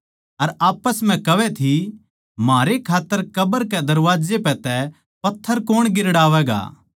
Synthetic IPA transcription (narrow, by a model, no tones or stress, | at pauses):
ɐɾaːpəsmɛ̃kɐʋɛt̪ʰi | maːɾekʰaːt̪ːəɾkɐbəɾkɛd̪ɐɾʋaːd͡ʒepɛt̪ɛ | pɐt̪ʰːəɾkoːɽ̃ɡɪɾɽaːʋɛːɡa̰ː